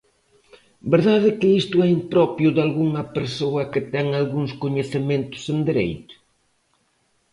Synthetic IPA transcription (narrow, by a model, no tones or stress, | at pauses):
beɾðaðɪkɪist̪ʊɛimpɾɔpjʊðalɣuŋɐpeɾsoɐkɪt̪ɛŋalɣuŋskoɲeθɪmẽnt̪ʊ̥send̪eɾḛjt̪ʊ̥